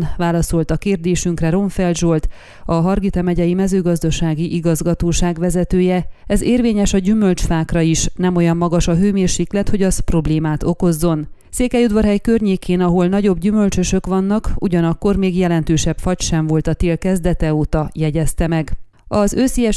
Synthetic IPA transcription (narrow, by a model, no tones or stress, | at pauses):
vaːlɒso̞lt̪ɒkeːrd̪eːʃyŋkrɛɾo̞ɱfɛlʒo̞lt̪ | ɒɦɒrɡit̪ɒmɛɟɛjimɛzøːɡɒzd̪ɒʃaːɡiʔiɡɒzɡɒt̪oːʃaːɡʋɛzɛt̪øːjɛɛzeːrveːɲɛʃɒɟymø̞lt͡ʃfaːkrɒiʃnɛmo̞jɒmːɒɡɒʃɒɦøːmeːrʃiːklɛt̪ho̞ɟɒspro̞bleːmaːt̪o̞ko̞zːo̞n | seːkɛjud̪ʋɒrɦɛjkørɲeːkʰeːnɒɦo̞lnɒɟo̞bɟymø̞lt͡ʃøʃø̞kʋɒnːɒkṵɟɒnɒkːo̞rmeːɡjɛlɛnt̪øːʃɛpfɒcʃɛɱvo̞lt̪ɒt̪eːlkɛzd̪ɛt̪ɛoːt̪ɒjɛɟɛst̪ɛmɛɡ | ɒzøːsijɛ